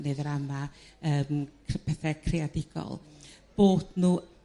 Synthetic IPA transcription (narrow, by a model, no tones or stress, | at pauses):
neðəɾamaəːmʰpʰɛθɛkʰrɪadɪɡ̥ɔ̰lˠb̥oːd̥nuː